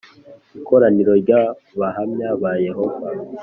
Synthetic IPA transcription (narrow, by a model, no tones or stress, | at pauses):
ikʰo̞ɾaniɾo̞ɾɟa | βahamɲaβaje̞ɦo̞va